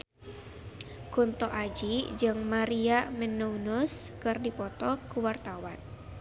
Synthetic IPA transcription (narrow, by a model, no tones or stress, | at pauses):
kunt̪ɔʔad͡ʒid͡ʒɨŋmaɾiamɛnuunuskɨrdipɔt̪ɔkuwart̪awan